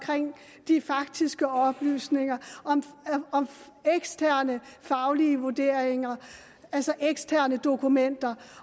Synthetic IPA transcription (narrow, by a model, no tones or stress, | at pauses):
kʰʁeŋ̰ | d̥ifɑ̈ɡ̥̚d̥isɡ̥əɒ̽b̥ly̰ːsne̝ŋɐɒ̽mɒ̽m | eɡ̥sd̥ʰæɐ̰nəfɑ̈ʊliəʋuɐd̥e̝ɐ̰eŋɐ | ælsɒʔeɡ̥sdʰæɐnəd̥o̝kʰumen̰d̥ɐ